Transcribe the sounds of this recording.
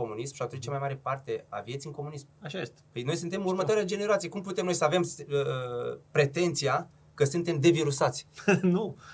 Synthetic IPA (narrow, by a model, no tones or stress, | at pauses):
o̞munismʃiat̪unt͡ʃamajmaɾe̞part̪e̞a̰vje̞t̪siɨŋko̞munismaʃajest̪əjno̞jsɨnt̪e̞murmət̪oaɾjad͡ʒe̞ne̞ɾat̪sijekumput̪e̞mno̞jsəave̞msəpɾe̞t̪e̞nt̪sia | kəsunt̪e̞md̪e̞viɾusat̪sʲnu